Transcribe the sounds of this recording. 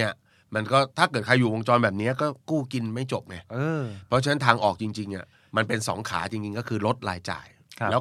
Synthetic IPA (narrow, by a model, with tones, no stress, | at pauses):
ni˥˩ɐ | ma˧nkɔː˥˩t̪ʰaː˥˩kɤː˨˩t̪̚kʰa˧jːuː˨˩wo˧ŋt͡ɕɔː˧nbɛː˨˩p̚ni˦˥ɐkɔː˥˩kuː˥˩ki˧nma˥˩jt͡ɕo˨˩p̚na˧˩ɤː˧pʰɔ˦˥t͡ɕʰa˧na˦˥nt̪ʰaː˧ŋʔɔː˨˩k̚t͡ɕi˧ŋt͡ɕi˧ŋʔa˨˩ | ma˧npe˧nsɔ̰ː˩˦ŋkʰa̰ː˩˦t͡ɕi˧ŋt͡ɕi˧ŋkɔː˥˩kʰɯː˧lo˦˥t̪̚la̰ː˧jt͡ɕa̰ː˨˩jʰ | lɛ˦˥